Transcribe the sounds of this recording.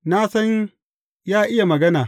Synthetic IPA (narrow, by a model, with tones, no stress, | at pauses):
na˦sɐ˦ɲ | jaː˦ʔɪ˦ja˨mɐ˨ɡɐ˦naː˨